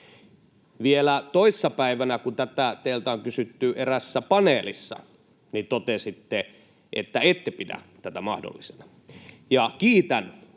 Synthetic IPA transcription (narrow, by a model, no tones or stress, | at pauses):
ʋielæt̪oisːɑpæiʋænækunt̪æt̪æt̪eilt̪æoŋkysyt̪ːyʔeræsːæpɑneːlisːɑ̰ | nit̪ot̪esit̪ːe | ʔḛt̪ːæet̪ːepidæ̰ | t̪æt̪æmɑhdo̰lːisenɑ | jɑkiːt̪æn